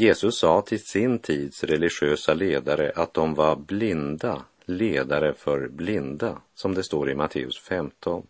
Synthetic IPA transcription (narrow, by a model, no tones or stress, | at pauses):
jeːsɵsːɑːt̪ʰɪlsɪnt̪ʰiːd̪sɾɛlɪɧøːsaleːd̪aɾə̰ʔat̪̚d̪ɔmvaɾblɪnd̪a | leːd̪aɾəfœɾblɪnd̪asɔmd̪ɛst̪oːɾɪmat̪ʰḛːɵ̰sfɛmt̪ʰɔn